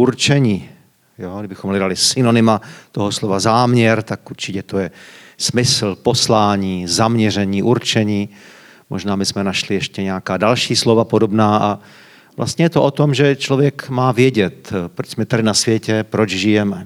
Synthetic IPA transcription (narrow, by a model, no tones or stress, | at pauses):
ʔuɾt͡ʃɛɲiː | joːɡdɪbɪxomlɛdalɪsɪno̞nɪmat̪oɦoslovazaːmɲɛɾt̪akʔuɾt͡ʃɪcɛt̪ojɛsmɪsl̩po̞slaːɲiːzamɲɛr̝ɛɲiːʔuɾt͡ʃɛɲiː | moʒnaːmɪsmɛnaʃlɪjɛʃcɛɲɛakaːdalʃiːslo̞vapodo̞bnaːʔa | vlʔa̰st̪ɲɛjɛt̪oʔot̪o̞mʒɛt͡ʃlovjɛkmaːvjɛɟɛt̪pɾot͡ʃsmɛt̪adɪnasvjɛcɛpɾot͡ʃʒɪjɛmɛ